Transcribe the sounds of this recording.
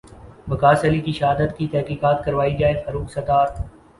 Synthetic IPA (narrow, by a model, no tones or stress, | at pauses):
bɐkaːsəlikiʃɐɦaːd̪ət̪kit̪ɛɦkiːkaːt̪kɐɾʋaːid͡ʒaːɪd̪fɐɾuːksɐt̪aːɾ